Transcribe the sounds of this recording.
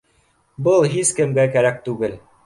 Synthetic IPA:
bɤlˠɦizkɘ̆mɡækæɾæk̚t̪ʉɡɘl

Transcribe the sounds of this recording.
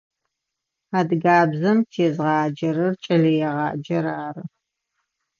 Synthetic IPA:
aːdɡaːbzɐmt͡ʃʰeːzʁɑːd͡ʒɐɾɐrt͡ʃʼɐɮɐjɛʁɑːd͡ʒɐɾaːrɨ

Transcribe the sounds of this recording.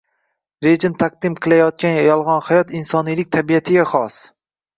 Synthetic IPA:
ɾe̞d͡ʒɪmt̪ʰaq̚d̪̥ɪmqʰɨlˠajɒt̪̚kʲanjajɒlˠʁɒnhajɒt̪ɪnsɒnijlɪk̚ʲt̪ʰabijat̪ʰɪɡʲaχɒs

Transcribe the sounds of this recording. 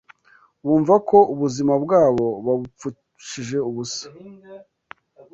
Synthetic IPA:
wuːɱvakʰo̞ʔuβuzimabɡaːβo̞βaβup͡fu | ʃiʒe̞uβusḁ

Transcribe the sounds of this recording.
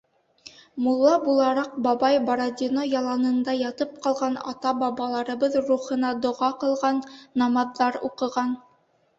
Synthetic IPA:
mulˠːɑbulˠɑɾɑq̚bɑbɑjboɾod̪ʲinojɑlˠɑnɤ̆nd̪ɑjɑt̪ɤp̚qɑlˠʁɑnɑ̰t̪ɑbɑβɑlˠɑɾɤ̆bɤðɾuχɤ̆nɑd̪ŏʁɑqɤ̆lˠʁɑnːɑmɑðːɑɾṵqɤ̆ʁɑn

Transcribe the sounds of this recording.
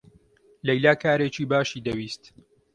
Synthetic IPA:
lɐjlaːkaːɾeːt͡ʃiːbaːʃiːd̪ɐwiːst̪

